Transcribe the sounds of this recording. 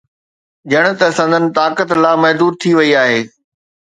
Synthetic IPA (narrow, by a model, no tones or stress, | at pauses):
d͡ʑɐɽ̃ʊ̆t̪ɐsə̃nd̪ənɪ̆t̪aːkət̪laːmɐɦd̪uːɾ̚t̪ʰiʋɐiaːɦeː